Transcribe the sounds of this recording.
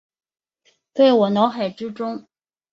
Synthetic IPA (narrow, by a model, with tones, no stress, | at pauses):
t̪we˥˩ɪwɔ˨˩nɑ˧˥ʊxa˨˩ɪʈ͡ʂɻ̩˥ʈ͡ʂʊ˥ŋ